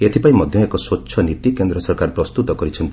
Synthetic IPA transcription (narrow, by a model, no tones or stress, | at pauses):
et̪ʰipaĩmɔd̪ʱjɔ̃ekɔswotːʃʰɔnit̪ikend̪ɾɔsɔɾkaɾpɾɔst̪ut̪ɔkɔɾit͡ʃʰɔnt̪i